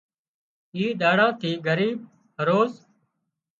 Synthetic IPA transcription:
iːɗaːɽãːt̪ʰiːɡəɾiːb̚ | ɦəɾoːz

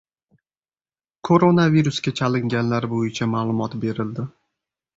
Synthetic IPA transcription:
kʰoɾonaviɾuskʲat͡ʃʰalɪŋɡʲanlaɾbojɪt͡ʃʰamaːlˠʊmɒt̪be̞ɾɪld̪ɪ

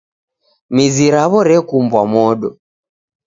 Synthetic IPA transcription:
miziɾaβɔɾɛkumbwamɔɗɔ

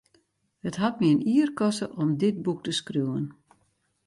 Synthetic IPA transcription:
hətɦat̚miəniərkɔstəʔɔmdɪt̚buk̚təskruwən

